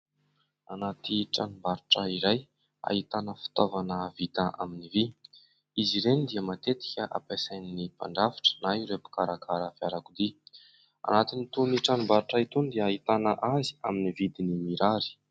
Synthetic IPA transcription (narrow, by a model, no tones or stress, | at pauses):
anat̪iʈ͡ʂanumbaɾuʈ͡ʂaiɾaj | a̰ɦit̪anəfi̥t̪ovanəvit̪aʔa̰minivi | iziɾenid̪iəmat̪et̪i̥kʲəʔa̰pasajninipa̰ɳɖ͡ʐafḁʈ͡ʂə̥naiɾepu̥kaɾakʰaɾafiaɾakud̪i | a̰nat̪init̪uniʈ͡ʂanumbaɾuʈ͡ʂait̪und̪iaːit̪anəʔazi̥aminivid̪inimiɾaɾi̥